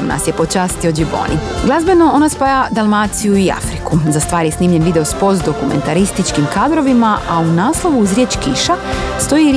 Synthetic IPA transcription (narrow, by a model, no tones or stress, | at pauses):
mna̰sje̞pot͡ʃaːst̪iod͡ʒibo̰ːniɡlˠazbe̞no̞o̞naspajad̪alˠmaːt̪sijuia̰fɾikuzast̪ʋaːɾjesniːmʎe̞nʋid̪e̞o̞spo̞st̪d̪o̞kume̞̰nt̪aɾist̪it͡ʃkimkaːd̪ɾo̞ʋimaʔaunaːslˠo̞ʋuuzɾjeːt͡ʃkiʃast̪o̞jiɾ